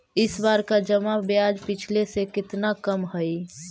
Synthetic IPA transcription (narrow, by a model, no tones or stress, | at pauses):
ɪsbaɾkad͡ʒəmabjad͡ʒpɪt͡ʃʰlesekɪt̪nakəmɦəi